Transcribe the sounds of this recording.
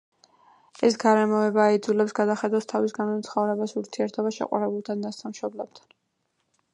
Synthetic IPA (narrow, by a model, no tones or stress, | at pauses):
ɛsɡaɾɛmɔɛbaːid̪zulɛpsɡad̪aχɛd̪ast̪ʰavisɡanɔt̪sʰχɔvɾɛbasuɾt̪ʰiɛɾt̪ʰɔbaʃɛ̰qʼa̰ɾɛbulˠt̪ʰad̪asamʃɔblɛb̥̚t̪ʰan